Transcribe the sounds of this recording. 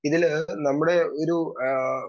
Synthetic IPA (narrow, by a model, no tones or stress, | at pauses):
iðilnɐmːuɽe̞oɾu